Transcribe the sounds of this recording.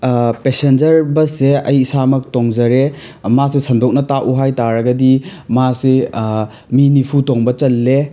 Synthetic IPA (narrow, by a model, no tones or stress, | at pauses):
pesend͡ʒɐɾbɐseɐjːsamɐk̚toŋzɐɾe | masesʰɐndok̚nɐtaʔuɦajtaɾɐɡɐdimase | minipʰutoŋbɐt͡ʃɐlːe